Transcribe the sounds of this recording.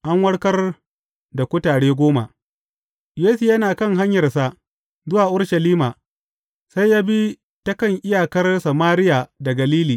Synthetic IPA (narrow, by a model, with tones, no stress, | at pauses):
ʔa˦ŋwɐ˦ɽkɐ˦r | da˨kʷʊ˦taː˨ɽeː˦ɡʷoː˦ma̰˨ | jeː˦su˨jɐ˦naː˨kɐ˦˨ŋɦa˦ɲjɐ˨rsa˦ʔ | zʊ˦waː˨ʔʊ˦ɽʃɐ˨liː˦maː˨ | sa˦jːaː˦bi˦ | tɐ˦kɐ˦ŋʔɪ˦jaː˨kɐ˦rsa˨maː˦ɾɪ˦jaː˨da˨ɡɐ˨liː˦liː˨